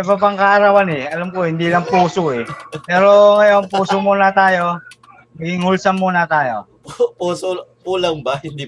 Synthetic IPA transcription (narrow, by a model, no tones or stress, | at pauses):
ɐpapɐŋkaʔɐɾawanɛɐlamkohɪnd̪iːlɐŋpuːsoʔɛpɛːɾo̞ŋɐjo̞npuːsomunɐt̪aːjo̞ | mɐɡɪŋhʊlsɐmmːunɐt̪aːjo̰ | ppuːsopuːlɐŋbɐhɪnd̪i